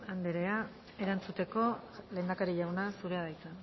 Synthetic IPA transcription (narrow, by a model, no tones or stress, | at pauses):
and̪eɾe̞a | e̞ɾant͡sut̪e̞ko̞le̞ːnd̪akaɾiʎawnasuɾe̞að̞ajt͡san